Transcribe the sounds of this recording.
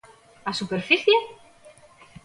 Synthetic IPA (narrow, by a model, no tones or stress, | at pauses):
asupɛɾ̥fiθjɛ